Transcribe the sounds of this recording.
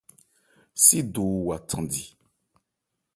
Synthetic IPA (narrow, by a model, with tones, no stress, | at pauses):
si˦du˨wa˨tʰã˨di˨